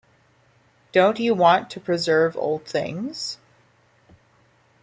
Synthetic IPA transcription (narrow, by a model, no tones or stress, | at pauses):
d̥õʊ̃nt͡ʃɨwɑ̃ntʰɨpʰɹ̥ɨzɜ˞vo̰ʊlˠd̪̚θɪ̰̃ŋz̥